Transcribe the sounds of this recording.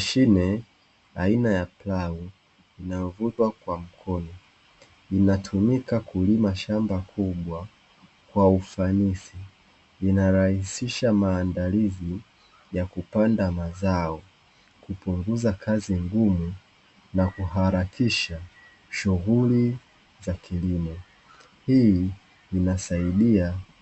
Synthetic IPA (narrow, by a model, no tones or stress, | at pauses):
ʃinɛ | ainajaplau | inajɔvutwakwam̩kʰɔnɔ | inatʰumikakulimaʃambakʰuɓwa | kwaufanisiː | naɾahisiʃamaːndalizi | jakupandamazaɔ | kupuŋɡuzakʰaziŋɡumu | nakuɦaɾakʰiʃa | ʃuɣuli | zakʰilimɔ | hiː | nasaiɗia